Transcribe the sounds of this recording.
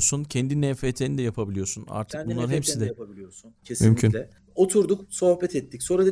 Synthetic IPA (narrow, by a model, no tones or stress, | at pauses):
suncʰɛnd̪inɛfeːt̪ʰenid̪ɛjapʰabilʲijosuna̰ɾt̪ʰɯ̥kbunlˠaɾhepsid̪ɛabilʲijosuncʰesmymcʰynlʲɛ | o̞t̪ʰuɾd̪ukso̞hbɛt̪ʰɛt̪ʰːicso̞nɾad̪a